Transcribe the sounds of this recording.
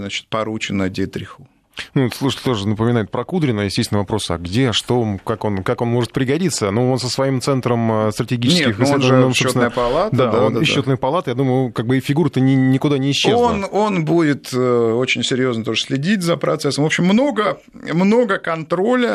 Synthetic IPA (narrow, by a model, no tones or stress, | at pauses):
znat͡ɕɪ̥t̪̚pɐɾut͡ɕɪnədʲet̪ɾʲɪxʊ | nut̪slˠuʂ̬ətʲɪlʲt̪o̞ʐɨnəpəmʲɪnajɪʊt̪̚pɾɐkud̪ɾʲɪnəjɪsʲtʲesʲt̪ʲɪnəvɐpɾo̞sɐ̰ɡdʲeʂt̪o̞kako̞nkako̞nmo̞ʐɨt̪̚pɾʲɪɡɐdʲit̪sənuo̞nsəsvɐimt̪sɛnt̪ɾəməst̪ɾətʲɪɡʲit͡ʃnʲɪskʲɪxseosopsnnəjəpɐlˠat̪d̪d̪aonot̪nəjəpɐlˠat̪əjad̪uməjʊʊkaɡ̚bɨɪfʲɪɡuɾət̪ənʲɪnʲɪkʊd̪anʲɪːɕːezononbudʲɪt̪ot͡ɕɪnʲsʲɪɾʲjo̞znət̪o̞ʐəsʲlʲɪdʲitʲzəpɾɐt̪sɛsəmvo̞pɕɪmːno̞ɡə | mno̞ɡəkɐnt̪ɾolʲə